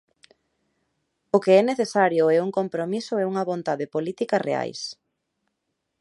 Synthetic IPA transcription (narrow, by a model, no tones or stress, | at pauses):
okeɛneθesaɾjʊɛuŋkompɾomisʊɛuŋɐβont̪aðepolit̪ikɐrḛa̰js